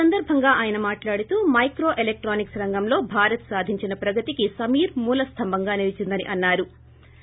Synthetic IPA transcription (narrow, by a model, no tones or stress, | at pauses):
ɐnd̪ɐɾbʱɐŋɡaːʔaːjɐnɐmaːʈlaːɽut̪uːmɐjkɾo̞ːʔelek̚ʈɾoːniksɾɐŋɡɐmlo̞ːbʱaːɾɐt̪saːd̪ʱiɲt͡ʃinɐpɾɐɡɐt̪ikisɐmiːɾmuːlɐst̪ʰɐmbʱɐŋɡaːniʋit͡ʃind̪ɐnḭʔɐnːaːɾu